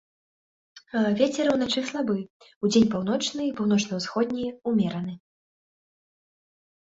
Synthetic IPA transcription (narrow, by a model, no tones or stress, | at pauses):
vʲet͡sʲɛɾɐwnat͡ʂɨxslˠabɨ | ud͡zʲenʲpawn̪ɔt͡ʂnɨipawnɔt͡ʂnɨwsxɔd̪ʲnʲijumʲɛɾɐnɨ